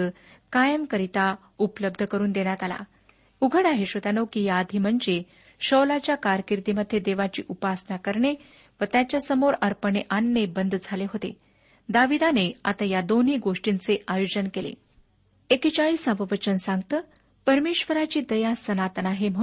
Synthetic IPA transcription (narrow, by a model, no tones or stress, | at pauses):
ə | kajəmkəɾit̪a | upləb̚d̪ʱəkəɾuːnd̪eɽjat̪ala̰ | uɡʱəɽaɦeɕət̪anowkijad̪ʱiməɳd͡ze | ɕəʋlat͡ɕjakaɾkiɾd̪iməd̪ʱːjed̪eʋat͡ɕḭːʔupasnakəɾɳe | ʋət̪jat͡ɕjasəmoɾəɾpəɳeʔanːebənd̪ʱd͡zʱaleɦot̪ḛ | d̪aʋid̪aneat̪ajad̪oniːɡoʂʈint͡seʔajod͡ʑənkelḛ | ekit͡ɕaɭiːsabəʋət͡ɕənsãŋɡt̪əː | pəɾmeɕʋəɾat͡ɕiːd̪əjasənat̪ənaɦem̤ə